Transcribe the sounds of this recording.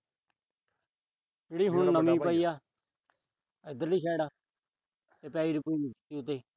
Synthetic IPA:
d͡ʒeːɽiːɦʊnnəmĩːpəiːjaː | ɪd̪əliːkɛːɽaː | t̪eːpɛːiːɾʊpiːnɪkt̪iːʊt̪̬eː

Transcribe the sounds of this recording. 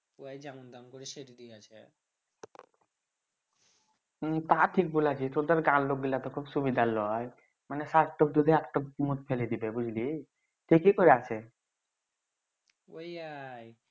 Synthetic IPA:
uajd͡ʒɛmond̪ankoɾiʃeɾid̪iat͡ʃʰe | t̪aʈʰik̚bulat͡ʃʰit̪od̪ɔɾɡãnloɡ̚ɡilat̪ɔkʰubsubid̪ʱalɔj | manesaʈʈɔk̚d̪ud̪ʱeɛkʈɔk̚mut̪̚pʰeled̪ibebud͡ʑʱli | ʈʰikikɔɾeat͡ʃʰe | ojaj

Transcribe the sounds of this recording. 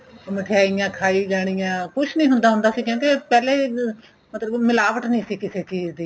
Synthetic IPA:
mɪʈʰaːɪjãːkʰaːiːd͡ʒaːɽ̃ijãːkʊt͡ʃʰnĩːɦʊnd̪aːɦʊ̃nd̪aːsiːkjõːkepɛːleː | mət̪ləbmɪlaːʋəʈnĩːsiːkɪseːt͡ʃiːzd̪iː

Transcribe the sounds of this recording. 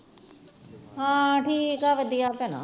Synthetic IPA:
ɦãːʈʰiːkaʋəd̪iːaːpɛna̰

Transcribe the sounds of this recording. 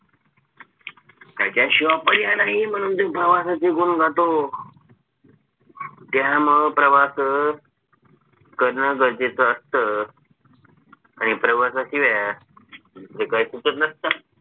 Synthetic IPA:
kakjaɕiʋapəɽjanaɦim̤əñuːnt̪epɾəʋasat͡ɕikuːnɡʱat̪o | t̪jaməɡpɾəʋas | kəɾɳəɡəɾd͡ʑet͡səːst̪ə | añipɾəʋasaɕiʋja | ekaisut̪ət̪nəst̪ə

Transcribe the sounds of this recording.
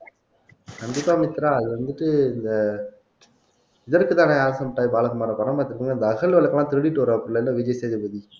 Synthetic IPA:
ɐnd̪ɯkaːmɪt̪ːɪɾaːɐðɯʋɐnd̪ɯʈːɯɪnd̪ɐ | ɪðɐɾkɯt̪aːnaːɾɐsɐmɐʈːaːjibaːlɐɣɐmaːɾɐpɐnɐpaːt̪ːɪɾɯkːɯŋɡɐɪnd̪ɐːɣɐɭʋɐɭɐkːɐlãːt̪ɪɾɯɽɪʈːɯʋɐɾɐɐpːɾɯlːɐɪlːɐʋid͡ʒɐjseːðɐbɐði

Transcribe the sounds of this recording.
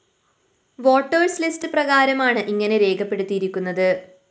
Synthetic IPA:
ʋo̞ːʈːɐrslistɨprɐɣaːɾɐmaːɳɨʔiŋːɐne̞ɾe̞ːɡɐpːe̞ɽut̪ːijiɾikʲːunːɐðɨ

